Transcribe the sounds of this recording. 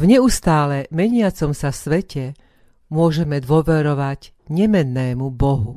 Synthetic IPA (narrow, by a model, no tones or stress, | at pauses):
vɲɛust̪aːlɛmɛɲɪat͡sɔmsasʋɛcɛ | mʊɔʒɛmɛd̪ʊɔʋɛɾɔʋaɟ | ɲɛmɛnːɛːmubɔɦu